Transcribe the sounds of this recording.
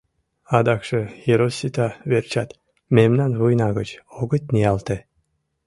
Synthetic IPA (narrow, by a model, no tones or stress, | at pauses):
ɑd̪ɑkʃejeɾosʲit̪ɑβert͡ɕɑt̪ | memnɑnβujnɑɣət͡ɕoɣət̪niɑlt̪e